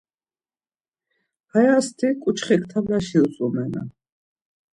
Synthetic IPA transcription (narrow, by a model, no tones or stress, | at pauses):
hajast̪ʰikʼut͡ʃχikʰt̪ʰavlaʃiusʼumɛna̰